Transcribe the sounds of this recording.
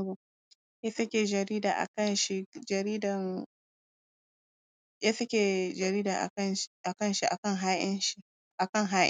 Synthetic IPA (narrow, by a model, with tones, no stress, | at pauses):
bo˨ | ja˦sɐ˦kʲeː˨d͡ʒɐ˨ɾiː˦daː˨ʔa̰˨kɐ˦nʃi˦d͡ʒɐ˨ɾiː˦dɐ˨ŋ | ja˦sɐ˦kʲe˨d͡ʒɐ˨ɾiː˦daː˨ʔa̰˨kɐ˦nʃʔa˨kɐ˦˨nʃi˦ʔa̰˨kɐ˦˨ŋɦaː˦jɐ˦nʃi˦ | ʔa˨kɐ˦˨ŋɦaː˦ʔɪ̰˦